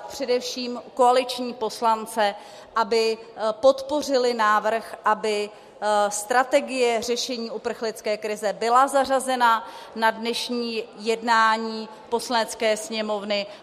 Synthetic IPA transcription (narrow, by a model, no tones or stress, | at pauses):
pr̝̥ɛdɛfʃiːmko̞alɪt͡ʃɲiːpo̞slant͡sɛ | ʔabɪpo̞t̪po̞r̝ɪlɪnaːvr̩xʔabɪ | st̪ɾat̪ɛɡɪjɛr̝ɛʃɛɲiːʔupr̩xlɪt͡skɛːkɾɪzɛbɪlazarazɛnanadnɛʃɲiːjɛdnaːɲiː | po̞slanɛt͡skɛːsɲɛmo̞vnɪ